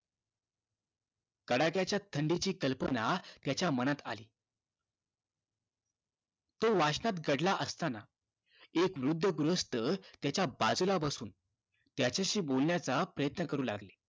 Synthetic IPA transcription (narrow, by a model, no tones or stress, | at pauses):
kəɽakjat͡ɕjat̪ʰəɳɖit͡ɕiːkəlpənat̪jat͡ɕjamənat̪a̰liː | t̪oʋaɕnat̪ɡəɽlaʔəst̪ana | ekʋɾud̪ʱːəɡɾuəst̪ət̪jat͡ɕjabad͡zulabəsuːn | t̪jat͡ɕaɕiːbolɳjat͡sapɾəjət̪nəkəɾuːla̰ɡle̥